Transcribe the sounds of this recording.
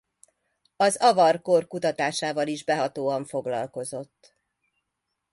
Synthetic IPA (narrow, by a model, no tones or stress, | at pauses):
ɒzɒvɒrkorkut̪ɒt̪aːʃaːvɒliʒbɛɦɒt̪oːɒɱfo̞ɡlɒ̰lko̞zo̞t̪ː